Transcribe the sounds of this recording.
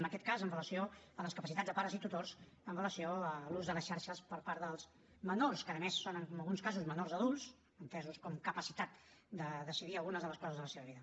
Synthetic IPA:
ənəkɛt̪̚kazənrələsioələskəpəsit̪add͡zdðəpaɾəzit̪ut̪ors | ənrələsioəluzðələsʃaɾʃəspəɾpaɾðəlˠz | mənorskaðəmesːonəŋməlˠɣunskazuzmənorzəðulˠs | ənt̪ɛzuskɔmkəpəsit̪at̪ | d̪əðəsiðiəlˠɣunəzðələskɔzəzðələseβəβiðə

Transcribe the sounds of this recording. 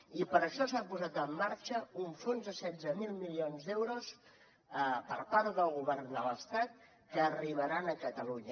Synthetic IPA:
ipəɾəʃɔsapuzat̪əmːaɾt͡ʃəuɱfonzðəsɛzəmilˠmilionzd̪ɛwɾus | pəɾpaɾt̪ðəlˠɣ̞uβɛrnd̪ələst̪at̪̚ | kəːriβəɾanəkət̪əluɲə

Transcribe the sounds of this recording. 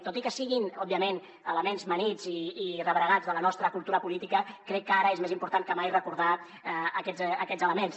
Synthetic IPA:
t̪ot̪ikəsiɣinɔbiəmen | ələmenzmənid͡ziːrəβɾəɣazðələnɔst̪ɾəkulˠt̪uɾəpulit̪ikəkɾɛkːaɾəezmezimpuɾt̪ankəmajrəkuɾð̞a | əkɛzəkɛzələmens

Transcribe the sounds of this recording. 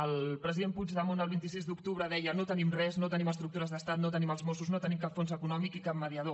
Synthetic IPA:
əlˠpɾəziðempud͡ʒðəmonəlˠβ̞int̪isizd̪ukt̪uβɾəðɛjənot̪ənimrɛznot̪əniməst̪ɾuk̚t̪uɾəzðəst̪at̪not̪əniməlˠzmosuznot̪ənimkapfonzəkunɔmikikap̚məðiəð̞o

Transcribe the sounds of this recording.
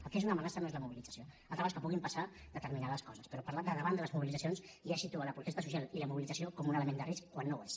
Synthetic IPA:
əlˠkezunəmənasənoezləmuβilid͡zəsioalt̪ɾəβaskəpuɣimpəsa | ðət̪əɾminaðəskɔzəspəɾɔpɐɾlat̪̚d̪əðəβand̪ələzmuβilid͡zəsions | asit̪uələpɾut̪est̪əs̬usjaliləmuβilid͡zəsiokɔmunələmend̪əriskkwanːowes

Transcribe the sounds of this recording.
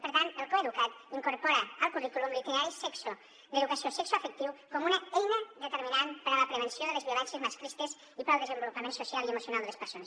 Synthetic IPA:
pəɾt̪ant̪əlˠkoeðukat̪iŋkuɾpɔɾəːlˠkurikulumlikɾeaɾisɛkso | d̪eðukəsiosɛksuəfək̚t̪iwkomunəejnəðət̪əɾminanpəɾələpɾəβ̞ənsioðələzβiulɛnsjəzmaskɾist̪əz | ipalˠd̪əzəmbulupəmensusialˠiəmusijunalˠd̪əlespəɾsonəs

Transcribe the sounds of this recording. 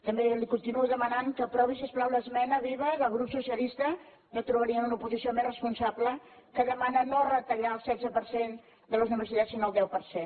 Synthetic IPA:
t̪əmbelikunt̪inuəðəmənaŋkəpɾɔβisəsplawləzmɛnəβiβəðəlˠɣɾupsusiəlist̪ə | not̪ɾuβəɾiənunəupuzisiomesrəspunsabləkəðəmanənorət̪əʎaəlˠsɛdd͡zəpəɾsen | d̪ələznəβəsit̪at͡ssinoəlˠd̪ɛwpəɾsen

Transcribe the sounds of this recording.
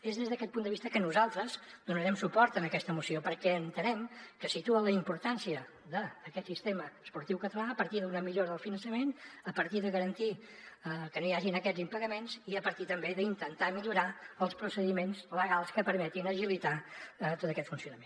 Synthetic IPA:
ezðezðəkɛt̪̚pund̪əβist̪əkənuzalˠt̪ɾəzd̪unəɾɛmsupɔɾt̪ənəkɛst̪əmusiopəɾkɛənt̪ənɛmkəsit̪uənləimpuɾt̪ansiə | ðəːkɛt̪sist̪eməːspuɾt̪iwkət̪əlaəpəɾt̪iðunəmiʎoɾəðəlˠfinənsəmenəpəɾt̪iðəɣəɾənt̪i | əkənojaʒinəkɛd͡zimpəɣəmenziəpəɾt̪it̪əmbeðəint̪ənt̪amiʎuɾaəlˠspɾusəðimenzləɣalˠskəpəɾmɛt̪inəʒilit̪at̪ot̪əkɛt̪funsiunəmen

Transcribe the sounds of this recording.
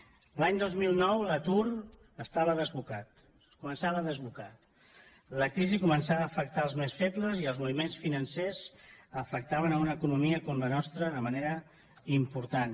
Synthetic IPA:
laɲd̪ozmilˠnɔwlət̪uɾ | əst̪aβəðəzβukat̪ | kumənsaβəðəzβukat̪ | ləkɾizikumənsaəːfək̚t̪aəlˠzmesfepləziəlˠzmuβimensfinənsezəfək̚t̪aβənəunəːkunumiəkɔmlənɔst̪ɾəðəməneɾə | impuɾt̪an

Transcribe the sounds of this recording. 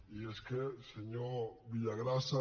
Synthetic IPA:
ieskeseɲoɾβiʎaɣɾasa

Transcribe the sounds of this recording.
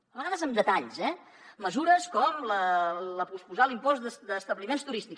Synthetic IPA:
əβəɣaðəzəmd̪ət̪aʎzɛ | məzuɾəskɔmlələpuspuzalimpɔzd̪əsd̪əst̪əβlimenst̪uɾist̪ik

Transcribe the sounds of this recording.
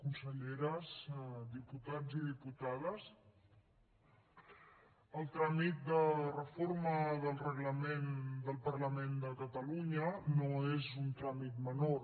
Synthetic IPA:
kunsəʎeɾəsd̪iput̪ad͡ziðiput̪aðəs | əlˠt̪ɾamit̪̚d̪ərəfoɾməðəlˠrəɣləmend̪əlˠpəɾləmend̪əkət̪əluɲənoezunt̪ɾamit̪məno

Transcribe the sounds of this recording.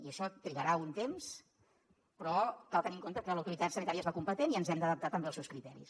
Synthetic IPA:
iəʃɔt̪ɾiɣəɾaunt̪ems | pɾɔkalˠt̪əniŋkont̪əkələwt̪uɾit̪at̪sənit̪aɾiəzβakumpət̪eniənzɛmd̪əðəp̚t̪at̪əmbelsɛwskɾit̪ɛɾḭs

